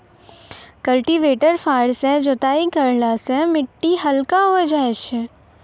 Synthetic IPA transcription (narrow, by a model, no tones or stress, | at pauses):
kɐlʈiʋeːʈəɾfaːɾsɛ̃d͡ʒot̪aːikɐɾlasɛ̃mɪʈːiɦɐlkaɦoed͡ʒaːet͡ʃʰɪ